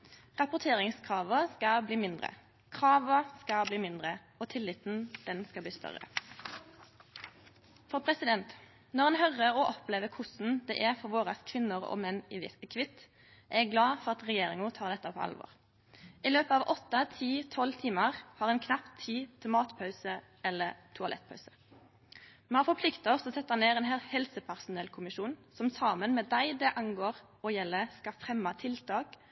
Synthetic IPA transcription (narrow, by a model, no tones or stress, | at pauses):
ʁɑpʊʁt̪ʰeːʁɪŋskʰʁɑːʋəskɑbliːmɪnd̪ʁə̰ | kʰʁɑːʋəskɑbliːmɪnd̪ʁə | ɔt̪ʰɪlɪt̪n̩d̪̥ɛnskɑbliːst̪ʰœ̰ʁə̰ | fɔpʰʁɛsɪd̪ɛnt̪ | nɔʁɛːnɦœʁəʁɔʔɔpleːʋəkʰʊsn̩d̪ɛ̰ːʔæʁfɔʁʋoːʁɑskʰʋɪnːəʁɔ̰mɛnːɪʋɪkʰʋɪt̪ | ʔɛɡɡlɑːfɔʁɑt̪ʁɛjeːʁɪŋʊt̪ʰɑːʁd̪ɛt̪ːəpʰo̰ːɑ̰lʋo̰ːʁ | ʔɪløːpəɑːʋʔɔt̪ːɑt̪ʰiːt̪ʰɔlːt̪ʰiːmɑʁhɑʁɛnkʰnɑpt̪ʰiːt̪ʰɪmɑːt̪pʰɑʉsə | ɛlːəɾt̪ʰʊɑlɛ̰t̪̚ːpʰɑʉsə̥ | mɛɑfɔɾpʰlɪkt̪əɔsɔsɛt̪ːɑneːɾɛːnɦælhɛlsəpʰæʁsʊnɛlkʰʊmɪʃuːnsɔmsɑːmənmɛd̪æɪd̪ɛʔɑŋɡoːʁ | ɔjɛlːəskɑfʁɛmːɑt̪ʰɪlt̪ʰɑːk